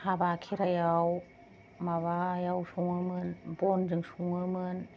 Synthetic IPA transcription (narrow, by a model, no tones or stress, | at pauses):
habakʰiɾajaw | maβajawsuŋɯmɯnbɔnzɯŋsuŋɯmɯn